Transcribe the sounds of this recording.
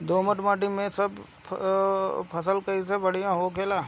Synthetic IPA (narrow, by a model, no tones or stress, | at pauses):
d̪oːməʈmaːʈimẽsəbʰ | pʰəsəlkəis̬ebɐɽ̤ijãɦokeːlaː